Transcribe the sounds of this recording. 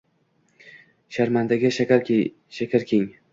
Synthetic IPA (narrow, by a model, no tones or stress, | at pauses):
ʃaɾmand̪aɡʲaʃaɾ | ʃakʲʰaɾkʲʰeŋ